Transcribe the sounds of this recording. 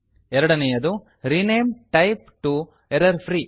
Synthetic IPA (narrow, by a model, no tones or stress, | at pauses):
ɛɾɐɽɐnejɐd̪u | ɾineːmʈɐjp̚ʈu | ɛɾɐɾpʰɾiː